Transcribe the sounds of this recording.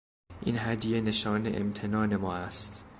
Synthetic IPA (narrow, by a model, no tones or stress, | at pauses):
ʔḭːnɦæd̪jene̞ʃɒːne̞̰ʔḛmt̪ʰe̞nɒːne̞mɒːæst̪